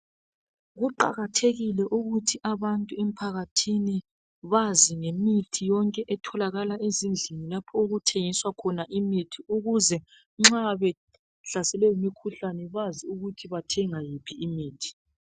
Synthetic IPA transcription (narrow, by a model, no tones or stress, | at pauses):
ɣuǃa̰ɣatʰeɣilɛʔuɣutʰiʔaβantʼuɛm̩pʰaɣatʰini | βaziŋemitʰijɔŋkʼɛʔɛtʰɔlaɣalaʔezind͡ɮʱinilapʰɔuɣutʰeŋiswakʰɔnaʔimitʰiuɣuzɛ | ŋ͡ǁaβɛ | ɬasɛlɛjimikʰuɬanɛβaziuɣutʰiβatʰɛŋajipʰiːmiːtʰi̥